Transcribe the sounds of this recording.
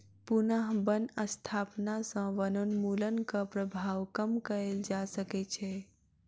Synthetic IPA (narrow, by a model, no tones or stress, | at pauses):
punəɦbənəst̪ʰaːpnasə̃ʋənonmulənkapɾəbʱaːʋkəmkəɾeld͡ʒasəkɛt͡ʃʰɛ